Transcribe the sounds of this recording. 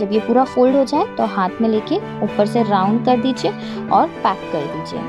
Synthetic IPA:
d͡ʒɐbjepuːɾafoːlɖɦod͡ʒaːet̪oɦaːt̪ʰmẽleːke | uːpəɾseɾãːʊ̃ɳɖ̚kɐɾd̪iːd͡ʒie | ɔːɾpɛːkːɐɾd̪iːd͡ʒiḛː

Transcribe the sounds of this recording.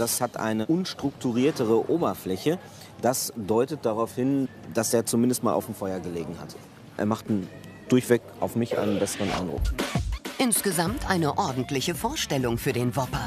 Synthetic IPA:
d̥ashatʔa̰ɪnəʔʊnʃtʁ̥ʊk̚tuʁiːɐtəʁ̞əʔoːbɐflɛçə | d̥asd̥ɔʏtət̚d̥aʁaʊfhɪn | d̥aseːɐt͡sumɪndəstmaːlʔa̰ʊfm̩fɔʏɐɡəleːɡŋ̩ha̰t | ʔḛːɐmaχt̚d̥n | d̥ʊɐçv̥ɛkʔa̰ʊfmɪçʔa̰ɪnənbɛsəʁənʔa̰ɪndʁʊ̰kʔɪnsɡ̥əzamtʔaɪnəʔɔɐdn̩tlɪçəfoːɐʃtɛlʊŋfyːɐdeːnvɔpɐ

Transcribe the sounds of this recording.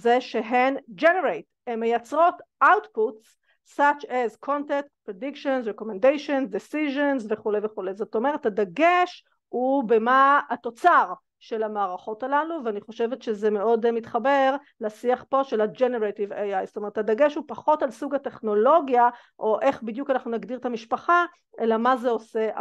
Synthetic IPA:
zeʃeɦend͡ʒeneʁejt | emːejat͡sʁo̞tʔawtputs | sat͡ʃɛzkʰo̞ntetpʁedikʃonzʁeko̞mendejʃonzdisiʒenzveχulejveχulejzo̞t̪o̞me̞ʁethadaɡeʃ | hube̞maato̞t͡saʁ | ʃe̞lamaːʁaχo̞talaluveaniχo̞ʃe̞vet̪ʃezemeo̞dmitχabe̞ʁ | lasiaχpo̞ʃelad͡ʒeneʁetiveajstome̞ʁthadaɡe̞ʃhupaχo̞talsuɡate̞χno̞lo̞ɡja | ʔo̞ʔe̞χbidjukanaχnunaɡdiʁt̪amiʃpaχa | ʔelamazeo̞se

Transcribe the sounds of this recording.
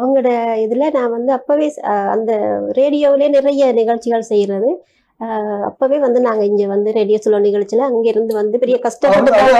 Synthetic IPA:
ɐʋɐŋɡɐɯɽɐɪðɪlɐnaːʋɐnd̪ɯɐpːoːʋeːɐ̰nd̪ɐɾeːɽɪjoːʋɪleːnɪɾɐjɐnɪɣɐɻt͡ʃːɪɣɐɭsɛjːɪɾɐðɯ | ɐ̰pːoːʋeːʋɐnd̪ɯnaːŋɡɐɪɲd͡ʒɐʋɐnd̪ɯɾeːɽɪjoːsɔlːɐnɪɣɐɻt͡ʃːɪlɐɐŋɡeːɪɾɯnd̪ɯʋɐnd̪ɯpɛɾɪjɐkɐsʈɐpːɐɽɯk̪ːaː

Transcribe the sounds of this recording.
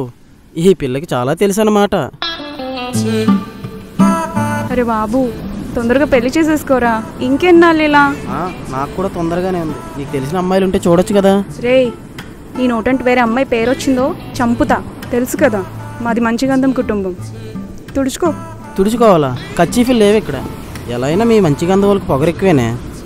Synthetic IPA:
iipilːɐkit͡ʃa̰ːlaːt̪elus̬anɐmaːʈɐ | ɐɾe̞ːbaːbut̪ond̪ɐɾɐɡaːpe̞lːit͡ʃeːs̬eːsi̥kɔːɾaːiŋkeːnːaːlːilaːaːnaːkkːuːɽaːt̪ɔnd̪ɐɾɐɡaːneːund̪iniːkut̪e̞lis̬inɐmːaːjiluɳʈeːt͡ʃuːɽɐt͡ʃːukɐd̪aːɾeː | niːnoːʈɐɳʈʋeːɾeːɐmːaːjpeːɾot͡ʃːind̪o̞ːt͡ʃɐmput̪aːt̪e̞lusu̥kɐd̪aːmɐd̪imɐɲt͡ʃiɡɐnd̪ɐmkuʈumbɐm | t̪uɽut͡ʃu̥koː | t̪uɽut͡ʃukɔːʋaːlaːkɐt͡ʃːiːpilːeːʋekːɐɽa̰ | ɛlaɐjnaːmiːmɐɲt͡ʃiɡɐnd̪ɐmɐlɐkupɔɡɐɾekːiʋeːnḛː

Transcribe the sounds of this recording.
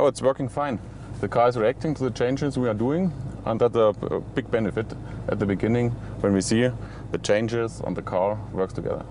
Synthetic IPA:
ʔoʊɨtswɜ˞kɪ̃ŋfãɪ̃n | ðɨkʰɑːɹɨzɹiæk̚tɪ̃ŋtʰuðɨt͡ʃʰẽɪ̃nd͡ʒɪzwiə˞duɪ̃ŋʔə̰̃nðətsə̰b̥ɪɡ̚bɛnɨfɪt | ʔɨ̰t̪̚ðɨbɨɡɪ̃nɪ̃ŋ | wɛ̃nwisi | ðɨt͡ʃʰẽɪ̃nd͡ʒɪzə̰̃nðəkʰɑɹwɜ˞kstʰɨɡɛ̰ðə̰˞

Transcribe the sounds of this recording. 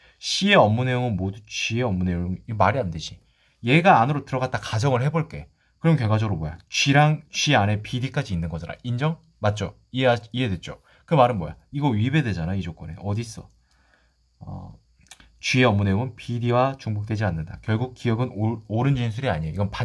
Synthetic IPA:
ɕ͈ʰie̞ʌmːune̞joŋɯnmodut͡ɕie̞ʌmːune̞oɯŋimaɾiandɯɕʰi | je̞ɡaːnɯɾotɯɾʌɡat͈̚akad͡ʑʌŋɯɭhe̞boɭk͈e̞ | kɯɾʌmkjʌɭɡwad͡ʑʌɡɯɾobojat͡ɕiɾaŋt͡ɕɥiane̞pidik͈ad͡ʑiːnːɯnɡʌd͡ʑaɾa̰ʔind͡ʑʌŋ | mat̚t͡ɕ͈o | ieiɦe̞dwe̞t̚t͡ɕ͈o | kɯmaɾɯnboja̰iɡʌɥibe̞dwe̞d͡ʑanaid͡ʑok͈ʌne̞̰ʔʌdis͈ʌ | ʌ̰ | t͡ɕɥie̞ʌmːune̞joŋɯnpʰidiwat͡ɕuŋbok̚t͈we̞d͡ʑianːɯnda̰kjʌɭɡuk̚k͈iʌɡɯnoɾɯnd͡ʑinsʰuɾiaɲijeiɡʌnpa

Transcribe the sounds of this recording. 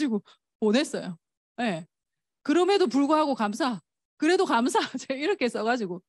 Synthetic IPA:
d͡ʑiɡo | ponɦe̞s͈ʌjo | je̞ | kɯɾʌme̞dop̬uɭɡoɦaɡokams̬ʰa | kɯɾe̞dokams̬ʰat͡ɕeiɾʌkʰes͈ʌɣad͡ʑiɡo

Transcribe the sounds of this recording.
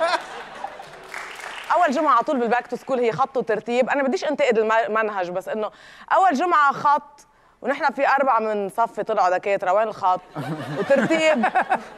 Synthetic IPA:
ʔawːalʒʊmʕat̪ˤuːlbɪlbaːk̚t̪ɪskuːlhɪjːxɑt̪ˤːwt̪ɑɾˤt̪iːbʔanabad̪ːiːʃʔɪnt̪ɪʔɪd̪ɪlmanɦaʒbasːʔɪnːo | ʔawːalʒʊmʕaxɑt̪ˤː | wnɪħnafiʔɑɾˤbaʕamɪnsˤɑfːit̪ˤɨlʕod̪akeːt̪ɾˤɑweːnɪlxɑt̪ˤːwt̪ɪɾt̪iːb̚

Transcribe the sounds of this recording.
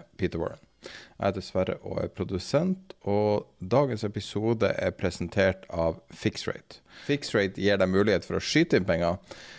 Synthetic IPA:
piːt̪əɾwɔ̰ɹə̰n | ʔæ̰d̪ɛsʋæɾə̰ʔo̰æ̰pʰɾʊd̪ʉsɛnt̪ɔd̪ɑːɡənsɛpɪsuːd̪ə̰ʔæɾpʰɾɛsənt̪ʰeːʈɑːʋfɪksɹḛɪt̪fɪksɹeɪt̪jiːɖɛmʉːlɪheːt̪fɔɾɔʂyːt̪əɪnpɛŋːɑ

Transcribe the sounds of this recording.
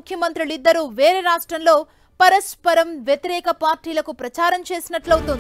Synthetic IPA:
ukʰjɐmɐnt̪ɾilid̪ːɐɾuːʋe̞ːɾeːɾaːʂʈɾɐmlo̞ː | pɐɾɐʃpɐɾɐmʋjɐt̪iɾɛːkɐpaːɾʈiːlɐkupɾɐt͡ʃaːɾɐmt͡ʃe̞ːsinɐʈlɐwt̪und̪ii

